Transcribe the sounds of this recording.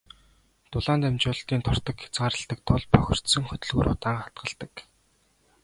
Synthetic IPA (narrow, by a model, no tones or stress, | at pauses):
t̪ʊɮaːnt̪æmt͡ɕʊːɮt̪iːnt̪ʰɔr̥t̪ə̆kxe̥t͡sɢaːɾə̆ɬt̪ə̆k̚t̪ʰʊɮpʰœxʲɪ̆r̥t̪sɵ̆ŋχɵt̪ɵ̆ɮɣṵːɾʊ̰t̪aːŋχat̪̚ɢə̆ɬt̪ə̆k